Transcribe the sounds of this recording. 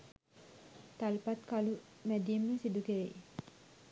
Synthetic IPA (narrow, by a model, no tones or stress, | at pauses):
t̪alpat̪̚kalumɛd̪iimːəsid̪ukeɾe